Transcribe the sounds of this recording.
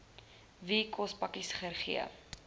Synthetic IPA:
vikʰɔspɐkisχərχḭə̰

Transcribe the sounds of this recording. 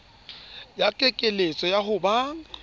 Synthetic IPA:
jakʼekʼelet͡sʼɔjaɦʊbaːŋ̩

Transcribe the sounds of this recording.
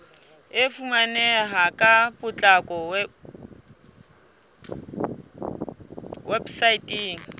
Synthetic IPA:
ɪfumanɛɦakʼapʼʊt͡ɬʼakʼɔwɛ | websaitʼiːŋ̩

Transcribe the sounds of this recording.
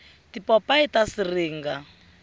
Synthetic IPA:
tipɔpaitasiriːŋɡa

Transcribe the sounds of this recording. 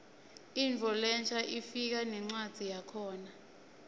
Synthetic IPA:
int͡fɔlɛnt͡ʃʼʰaʔifik̬anɛŋ͡ǀad̥z̥ʱijakʰɔːna

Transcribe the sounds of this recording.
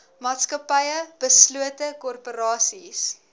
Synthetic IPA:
mɑːtskɐpɐjəb̥əsluətəkɔrpoɾɑːsis

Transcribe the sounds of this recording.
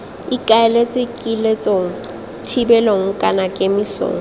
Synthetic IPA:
ikʼaelet͡sʼɔikʼilet͡sʼoŋ̩ | tʰibɛloŋ̩kʼanakʼemiɬo̰ːŋ̩

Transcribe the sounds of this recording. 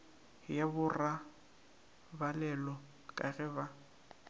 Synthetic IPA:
jabʊra | balɛlɔ | kʼaɣɛba

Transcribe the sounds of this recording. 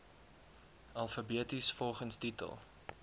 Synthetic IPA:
ʔɐlˠfəbiətisfɔlˠχənstitə̰lˠ

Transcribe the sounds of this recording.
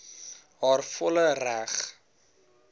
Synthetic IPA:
ɦɔrfʊləraχ

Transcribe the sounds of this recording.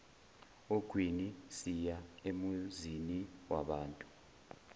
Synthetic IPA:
oɡ̥ʱwinisijaemuziniwa̰ɓaːntʼu̥

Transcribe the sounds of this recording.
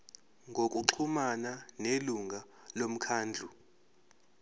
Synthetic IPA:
ŋɡʱokʼuǁʰumananeluŋa | lom̩kʰaːnd͡ɮʱu

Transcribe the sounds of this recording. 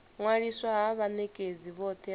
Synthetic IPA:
ŋwaɺiswaɦaβanɛkʼed͡ziβɔt̪ʰɛ

